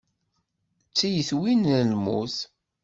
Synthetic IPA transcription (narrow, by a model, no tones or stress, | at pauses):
t͡sːijəθwinlmṵθ